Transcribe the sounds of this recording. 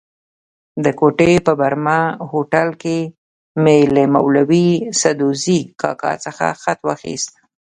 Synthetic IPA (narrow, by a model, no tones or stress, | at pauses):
d̪əkoʈepəbaɾmahoʈalke | melemawlawisad̪ozikʰɑ̰kɑ̰t͡səxa̰xat̪waxḭst̪̚